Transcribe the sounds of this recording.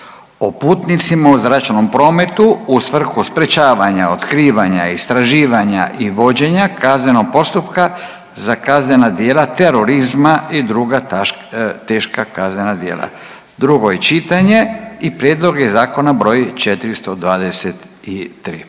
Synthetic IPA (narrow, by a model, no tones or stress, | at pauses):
opuːt̪nit̪simauzɾat͡ʃno̞mpɾo̞ːme̞t̪uusʋr̩xuspɾe̞t͡ʃaːʋaɲao̞t̪kɾiːʋaɲa̰ist̪ɾaʒiːʋaɲa̰ʔiʋo̞d͡ʑe̞ɲakaznɲeno̞ɡ̚po̞st̪upka | zakazɲenad̪je̞ːlat̪eɾo̞ɾizmaid̪ɾuɡa | t̪eːʃkakaznenad̪jḛːla̰ | d̪ɾuɡo̞jet͡ʃit̪aɲe̞ipɾjed̪lˠo̞ɡezaːko̞nabɾo̞jit͡ʃet̪iɾist̪o̞d̪ʋaːd̪eset̪it̪ɾiː